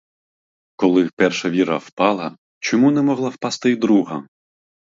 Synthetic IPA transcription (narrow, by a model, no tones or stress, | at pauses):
kɔlˠɪpɛrʃɐʋʲiɾɐwpɑlˠɐ | t͡ʃɔmunɛmɔɦlˠawpɑst̪ɪd̪ɾuɦɐ